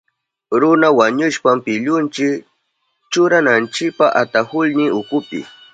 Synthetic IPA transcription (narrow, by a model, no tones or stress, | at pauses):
ɾʊnawaɲʊʃpampɪʎʊnt͡ʃɪk | t͡ʃʊɾanant͡ʃɪk̚paʔat̪ahʊlnɪʊkʊpɪ̰